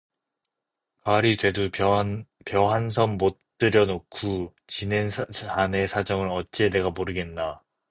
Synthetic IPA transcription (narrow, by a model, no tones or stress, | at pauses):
kaɾidwe̞du | pjʌɦans̬ʰʌmːot͈ɯɾjʌnokʰu | t͡ɕinenʰane̞sʰad͡ʑʌŋɯɾʌt͡ɕ͈e̞ne̞ɡamoɾɯɡe̞nːa